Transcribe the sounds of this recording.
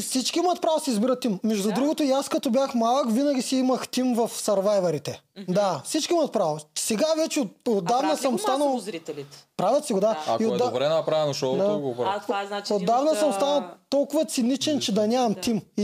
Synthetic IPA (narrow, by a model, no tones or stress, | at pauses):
sit͡ʃkʲiimɐt̪̚pɾavosɛizbiɾɐt̪ːimːɛʒd̪ud̪ɾuɡot̪oiaskɐt̪ɔbʲjaxmalˠəkvinɐɡʲisiimɐxt̪imvɐfsɐɾvajvɐɾit̪ɛd̪afsit͡ʃkʲiimɐt̪̚pɾavosɛɡavɛt͡ʃɛot̪od̪ːavnɐsəmst̪anɐlˠ | pɾavʲjɐt̪siɡod̪aiod̪aɾɛnɐpɾavɛnoʃɔd̪auɡ | od̪ːavnɐsəmst̪anɐlˠt̪ɔlˠkʊvɐt̪sɪnit͡ʃɛnt͡ʃɛd̪ɐnʲamɐmt̪imi